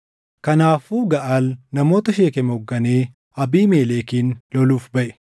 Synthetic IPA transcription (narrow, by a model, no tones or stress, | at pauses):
kɐnaːfuːɡɐʔaːlnɐmo̞ːt̪ɐʃeːkɛmɛɔɡːɐneː | ɐbiːme̞ːleːkiːnlɔluːfbɐʔɛ̥